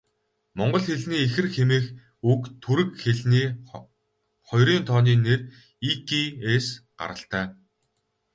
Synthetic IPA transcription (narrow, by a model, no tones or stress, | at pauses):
mɔɴɢɞ̆ɮxeɮniːexɘ̆rxemeːx | ukt̪ʰuɾɘ̆kxeɮniː | χɔjɾiːnt̪ʰɔːniːner | ikʰiesɢ̥a̰ɾə̆ɬt̪æː